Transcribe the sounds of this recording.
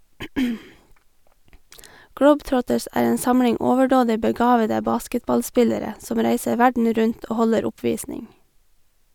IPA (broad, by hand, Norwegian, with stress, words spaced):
ˈɡɽəʊbˌtɾɔtəs ˈæːɹ ˈeːn ˈsɑmɽɪŋ ˈɔʋəɖoːdɪ bəˈɡɑːʋədə ˈbɑːskətbɑlˌspɪləɾə ˈsɔm ˈɾæɪsə ˈʋæɖɳ̩ ˈɾʉɲt ˈoː ˈhɔləɾ ˈʊpʋiːsnɪŋ